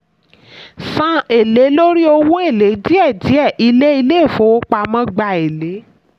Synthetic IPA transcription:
sã˨˧e˨le˨˦lo˦ɾi˦o˧wu˦e˦˨le˨˦di˦ɛ˦˨di˨˦ɛ˦˨ʔi˧le˦i˧le˦˨fo˨˦k͡pa˧mã˦ɡ͡ba˧e˨le˨˦

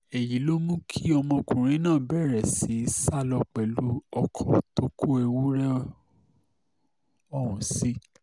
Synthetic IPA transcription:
ɛ˨ji˨˦lo˦mũ˦kʰi˦ɔ˧mɔ̃˧kũ˨ɾ̃ĩ˨˦nãː˦˨bɛ˦˨ɾɛ˨si˨˦sa˦˨lɔ˧k͡pɛ˨lu˨˦ɔ˧kʰɔ˨to˦ku˦e˧wu˦ɾɛ˦ | ɔ˨hũ˨si˨˦

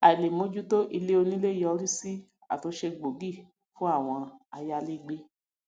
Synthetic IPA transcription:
a˨i˨le˨mõ˨˦d͡ʒu˦to˦ʔi˧le˦o˧nĩ˦le˦˨jɔ˧ɾi˦si˦ | a̰˨to˨˧˦ʃe˧ɡ͡bo˨ɡi˦˨ | fũ˦a˦˨w̃ɔ̃˧a˧ja˧li˦ɡ͡be˦

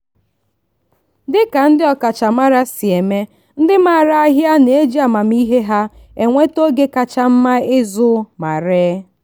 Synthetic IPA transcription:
dɪ˦ka˨n̩˦dɪ˦ɔ˨ka˨t͡ʃa˨ma˦ɾa˦si˨e˨me˦ | n̩˦dɪ˦ma˨ɾa˦a˦ɦja˦n˨e˦d͡ʒi˦a˨ma˨m̩˦i˦ɦe˦ɦa˦ | e˨ŋʷe˦to˦ɡe˦ka˨t͡ʃa˦m̩˦ma˦ɪ˦zʊ˦ma˨ɾe˦

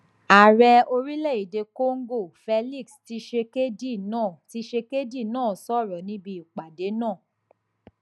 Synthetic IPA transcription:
a˨ɾɛ˧o˧ɾi˦lɛ˦˨i˨de˧ko˦ŋ̩˦ɡo˦˨fɛ˧li˦˨ksti˧˦ʃe˧ke˦di˦˨nãː˦˨ti˧˦ʃe˧ke˦di˦˨nãː˦˨sɔ˦˨ɾɔ˨nĩ˨˦bi˧i˨k͡pa˨de˨˦nãː˦˨

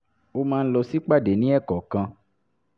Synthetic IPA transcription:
o˧mãː˧n̩˦lɔ˧si˦k͡pa˦˨de˨˦nĩ˦ɛ˦˨kɔ˨kã˧

